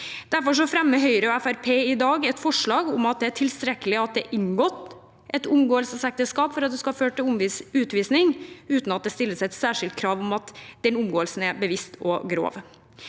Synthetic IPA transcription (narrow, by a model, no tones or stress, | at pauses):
d̪̥æɾfɔʂ̬ɔæfɾɛmːəɦœʏɾəɔɛfæɾpʰeːɪd̪ɑːɡɛt̪fɔʂɭɑːɡʊmɑt̪̚d̪ɛæʈʰɪlst̪ɾɛkːəlɪɑt̪̚d̪ɛʔɪŋɡɔt̪ː | ʔɛt̪ʊmɡoːəlsəsɛk̚t̪əskɑːpfɔɾɑt̪̚d̪ɛskɑhføːʈʈɪʊmʉːt̪ʋiːsnɪŋʉːt̪n̩ɑt̪̚d̪ɛst̪ɪlːəsɛt̪sæːʂɪlt̪̚kʰɾɑːʋʊmɑt̪d̪̥ɛnʊmɡoːəlsn̩æɾbəʋɪst̪ʰɔɡɾo̰ːʋ